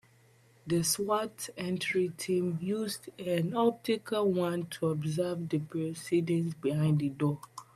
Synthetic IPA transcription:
dəswatɛ̃ntʰɹitʰĩmjuzdãnɔp̚tikʰalwãntʰuɔbzavdəpʰɹɛsidɛ̃nsbihãɪ̃nddədɔ

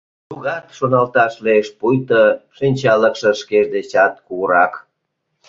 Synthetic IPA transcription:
t̪uɣɑt̪ʃonɑlt̪ɑʃlieʃpujt̪oʃinʲt͡ɕɑləkʃeʃkeʃd̪et͡ɕɑt̪̚kuɣəɾɑk

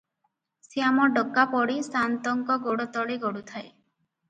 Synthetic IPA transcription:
seamɔɖɔkːapɔɽisant̪ɔŋkɔɡoɽɔt̪ɔɽiɡɔɽut̪ʰae

